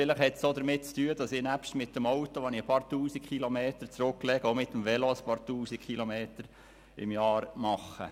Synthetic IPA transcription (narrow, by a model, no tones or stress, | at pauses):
fɪləχhɛtsod̥̪əɾmɪt̚t͡styəd̥ɑsɪnæpʃtmɪtːəmɔwt̪oʋɔnɪəpɑːɾt̪uːsikχilomeːt̪əɾt͡sɾʊkːlɛɡ̥əomɪt̪ːəmʋɛloəspɑːɾtuːsikχilomeːt̪əɾ | ɪ̰mjɑːɾmɑχə̰